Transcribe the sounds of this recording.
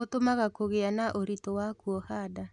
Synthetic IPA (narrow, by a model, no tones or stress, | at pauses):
otomaɣakoɣeanaʔoɾitowakuɔhaːda